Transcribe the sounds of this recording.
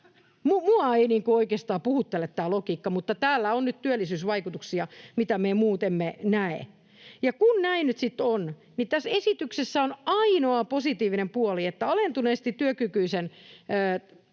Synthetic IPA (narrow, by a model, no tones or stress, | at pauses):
mumuɑeiniːŋkuoikeːst̪ɑːpuhut̪ːelet̪t̪æːlokiːkːɑmut̪ːɑt̪æːlːæonnyt̪t̪yølːˑisyːsʋɑikut̪uksiɑmit̪æmemuːt̪emːenæḛ | jɑkunnæinnyt̪sit̪ːon | nit̪æsesit̪yksesːæonɑinoɑposit̪iːʋinempuoliet̪ːæɑlent̪uneːst̪it̪yøkykyisenː